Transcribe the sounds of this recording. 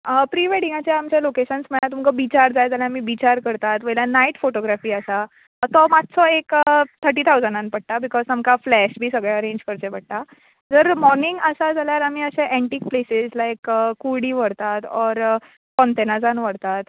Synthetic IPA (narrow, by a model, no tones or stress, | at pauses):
əpɾiːʋeɽĩŋɡat͡ɕeamt͡ɕelokeɕənsməɭat̪umkəʋit͡ɕaɾd͡zajad͡zaljaamiːʋit͡ɕaɾkəɾt̪at̪ʋəjlanaiʈfoʈoɡɾafiːəsa | t̪ɔmat̪sɔekət̪ʰəɾʈ̬iːt̪ʰawd͡zənãnpəɽʈ̪abikɔzt̪amkaflɛɕbʱiːsəɡɭeəɾẽɲd͡ʑkəɾt̪ẽbəɽ̚ʈ̪a | d͡zəɾmɔɾniŋɡəsad͡zaljaɾamiːəɕẽʔɛ̃ɳʈiːk̚plesid͡zlaekəuɽiːʋəɽt̪at̪ɔɾ | kɔnt̪enad͡zãnʋəɽt̪at̪